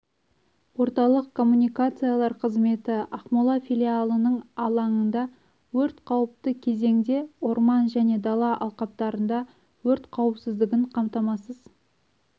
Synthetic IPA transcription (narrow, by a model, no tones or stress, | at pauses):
wo̞ɾt̪ɑlˠəqkʰːo̞mːunijkat̪sɨjalˠɑɾqʰəzme̞t̪ɪɑχmɑlˠɑfilʲialˠənəɴɑlˠɑɴənd̪ɑ | wɵɾt̪qʰɑwəp̚t̪əkʲʰe̞ze̞ŋd̪e̞oɾmɑnʒæne̞d̪ɑlˠɑʔɑ̰lˠqɑp̚t̪ɑɾənd̪ɑ | wɵɾt̪qʰɑwəpsɪzd̪ɪɡʲɪɴqʰɑmt̪ɑmɑsəz